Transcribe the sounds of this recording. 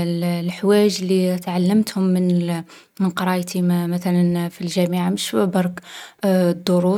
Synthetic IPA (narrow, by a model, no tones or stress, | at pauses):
llħwæʒlit̪ʕalːəmt̪hʊmːən | mənqɑɾˤɑjt̪imæt̪ælənfilʒæmiʕaməʃbɑɾˤk | d̪ˤːoɾu